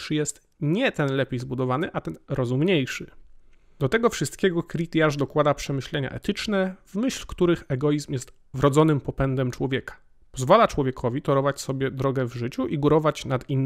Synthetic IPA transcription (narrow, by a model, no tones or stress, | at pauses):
ʂjɛst̪ | ɲɛt̪ɛnlɛpʲejzbud̪ɔvanɘʔat̪ɛnɾɔzumɲejʂɘ | d̪̥ɔt̪ɛɡɔfʂɘst̪kʲɛɡɔkɾʲit̪jaʐd̪ɔkwad̪apʂɛmɘɕlɛɲa̰ʔɛ̰t̪ɘt͡ʂnɛvmɘɕlkt̪uɾɘxɛɡɔjizmjɛst̪ | vɾɔd̪zɔnɘmpɔpɛnd̪ɛmt͡ʂwɔvʲjɛkḁ | pɔzvalat͡ʂwɔvʲjɛkʰɔvʲit̪ɔɾɔvat͡ɕsɔbʲjɛd̪ɾɔɡɛvʐɘt͡ɕuʔiɡuɾɔvat͡ɕnat̪inː